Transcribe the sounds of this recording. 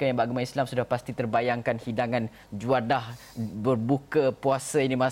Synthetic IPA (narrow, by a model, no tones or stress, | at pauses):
kajaŋbaɡumãislamsudahpast̪it̪ərbajaŋkanhidaŋãn | d͡ʒuadah | bərbukəpuasəinimã